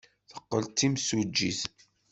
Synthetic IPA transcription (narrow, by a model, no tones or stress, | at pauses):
θəqːəlt̪ːimsud͡ʒːiθ